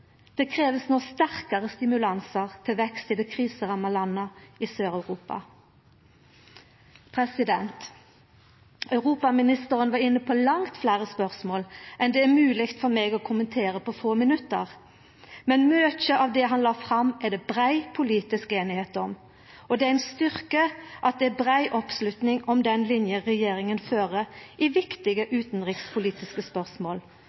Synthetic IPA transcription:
d̪̥ɛkʰʁeːʋəsnɔst̪æʁkɑʁəst̪ɪmʉlɑnsəʁt̪ʰɪlʋɛkst̪ɪd̪ɛkʰʁiːsəʁɑmɑlɑnːɑisøːʁɑʉʁuːpɑ̰ | pʰʁɛsɪd̪ɛnt̪ | ɑʉʁuːpɑmɪnɪst̪əʁənʋɑʁɪnːəpʰɔlɑŋt̪flæːʁəspœʁsmoːlʔɛnd̪ɛæmʉːlɪɡt̪fɔɾmeːɡɔːkʰʊmənt̪ʰeːʁəpʰɔfoːmɪnʉt̪ə̰ʁ | mɛnmøːt̪çəʔɑʋd̪ɛɦɑnlɑːfʁɑmɛd̪ɛbʁæɪpʰʊliːt̪ɪskeːnɪheːt̪ɔm | ɔd̪ɛæɪnst̪ʏʁkəʔɑt̪̚d̪ɛæbʁæɪʔɔpslʉt̪nɪŋɔmd̪ɛnlɪnjəʁɛjeːɾɪŋənføːʁəʔɪʋɪkt̪ɪɡəʔʉːt̪nʁɪkspʰʊliːt̪ɪskəspœʁsmoːl

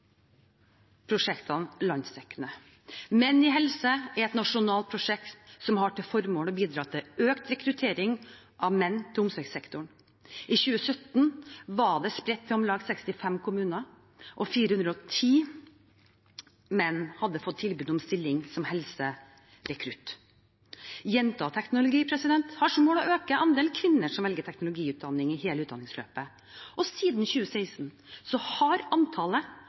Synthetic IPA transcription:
pʰɾʊʂɛkt̪ɑnlɑnsɛkːənə | mɛnːɪɦɛlsəæɾɛt̪nɑʂʊnɑːlt̪̚pʰɾʊʂɛkt̪sɔmhɑʈɪlfɔɾmoːlɔbiːd̪ɾɑːt̪ʰɪøːkt̪ɾɛkɾʉt̪ʰeːɾɪŋ | ʔɑʋmɛnːt̪ʰɪlʊmsɛksɛkt̪ʊɳ | ʔɪçʉːəsœt̪nʋɑɖɛspɾɛt̪ʰːɛɔmlɑːɡsɛkst̪ɪfɛmkʰʊmʉːnɑ | ʔɔfiːɾəhʉnɾəɔt̪ʰiː | mɛnːhɑd̪ːəfɔt̪ʰːɪlbʉːd̪ɔmst̪ɪlːɪŋsɔmhɛlsə | ɾɛkʰɾʉt̪ | jɛnt̪ʰɑːt̪ʰɛknʊlʊɡiːpʰɾɛsɪd̪ɛnt̪hɑʂɔmoːlɔøːkəʔɑnd̪eːlkʰʋɪnːəʂɔmʋɛlɡəʈ̪ʰɛknʊlʊɡiːʉːt̪̚d̪ɑnːɪŋɪheːləʉːd̪ɑ̰nɪŋslø̰ːpə | ʔɔsiːd̪nçʉːəseɪsn | sɔhɑɾɑnt̪ʰɑːlə

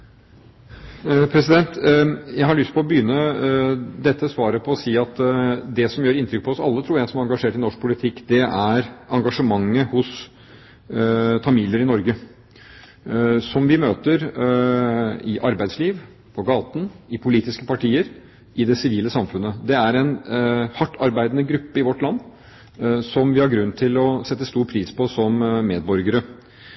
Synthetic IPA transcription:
pʰɾɛsɪd̪ɛnt̪jæɪhɑɭʏst̪pʰɔɔbəjʏnːə | d̪ɛt̪ːəsʋɑːɾəpʰɔɔsiːɑt̪d̪ɛsɔmjøːɾɪnt̪ɾʏk̚pʰɔɔsɑ̰lːət̪ʰɾuːɾjæɪsɔmæɾɑŋɡɑʂeːʈɪnɔʂk̚pʰʊlɪt̪ʰɪkːd̪ɛʔæɾɑŋɡɑʂəmɑŋːəhʊs | fɑmiːljəɾɪnɔɾɡə | sɔmʋɪmøːt̪əɾ | ɪʔɑɾbæɪd̪sliːʋ | pʰɔɡɑːt̪ən̩ɪpʰʊliːt̪ɪskəpɑʈʰiːəɾ | ɪd̪ɛsɪʋiːləsɑmfʉnːəd̪ɛæɾɛnhɑʈːɑɾbæɪd̪ənəɡɾʉpːəɪʋɔʈːlɑnː | sɔmʋɪhɑɾɡɾʉnːt̪ʰɪlɔsɛt̪ːəst̪uːɾpʰɾiːspʰɔsɔmmeːd̪bɔɾɡəɾə

